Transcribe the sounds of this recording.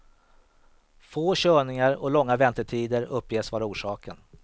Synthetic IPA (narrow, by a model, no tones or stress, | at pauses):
foːɕøːɳɪŋaɾɔlɔŋːavɛnt̪əʈʰiːd̪əɾɵpːjeːsvɑːɾauːʂɑːkən